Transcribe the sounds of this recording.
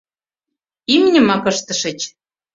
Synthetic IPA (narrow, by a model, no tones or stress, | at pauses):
imnʲə̆mɑkɤʃt̪ə̆ʃə̆t͡ɕ